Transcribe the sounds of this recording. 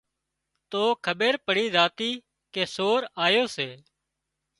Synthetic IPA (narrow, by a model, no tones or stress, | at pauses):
t̪oːkʰəɓeːɾpəɽiːzaːt̪iː | keːsoːɾaːjoːseː